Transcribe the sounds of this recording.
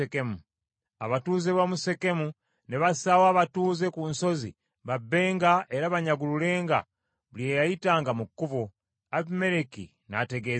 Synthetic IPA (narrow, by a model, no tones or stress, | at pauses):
ekemu | aβatuːze̞βamuse̞ke̞mu | ne̞βasawaːβatuːze̞kunso̞zḭ | βabːe̞ːŋɡaʔe̞ɾaβaɲaɡulule̞ːŋɡa̰ | βuljejajitaːŋɡamukːuvo | aβime̞ɾekḭ | na̰te̞ɡe